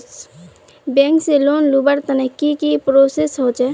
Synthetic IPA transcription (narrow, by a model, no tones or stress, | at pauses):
bẽŋkselonlubəɾt̪ənekikipɾosesɦot͡ʃɛ